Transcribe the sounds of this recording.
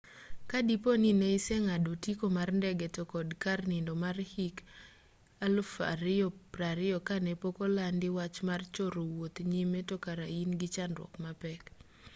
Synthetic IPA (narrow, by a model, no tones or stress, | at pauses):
kadiponineisɛŋadotikomarndɛɡɛtokɔdkarnɪndomarhik | alfa̰ɾɪɔpɾaɾɪɔkanepokolandɪwat͡ʃmart͡ʃoɾowot̪ɲimetɔkaɾainɡɪt͡ʃanɾwɔ̰kmapɛk